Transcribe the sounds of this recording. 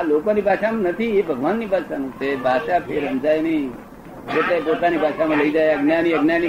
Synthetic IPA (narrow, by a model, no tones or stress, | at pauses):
lokonibʱaʃamãnət̪ʰiebʱəɡʋanːibʱaʃanusebʱaʃapʰeɾɦənd͡ʒajni | d͡ʒet̪epot̪anibʱaʂamãləid͡ʒajəɡnjaniəɡnjani